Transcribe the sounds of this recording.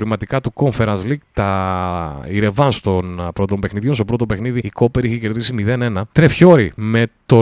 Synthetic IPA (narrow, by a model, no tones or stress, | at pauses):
ɾimɐt̪ikɐt̪uko̞ɱfe̞ɾɐnzlikt̪ɐ | iɾe̞vɐnst̪o̞npɾo̞t̪o̞mbe̞xniðiost̪opɾo̞t̪ope̞xniðiiko̞peɾiiçece̞ɾðisimiðe̞ne̞nɐt̪ɾe̞fço̞ɾime̞t̪o̞